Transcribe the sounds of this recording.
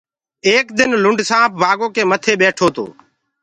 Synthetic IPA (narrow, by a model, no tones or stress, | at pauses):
eːkd̪ɪnlʊɳɖʱsãːpʋaːɡõːkeːmət̪ʰeːɓeːʈʰoːt̪o̰ː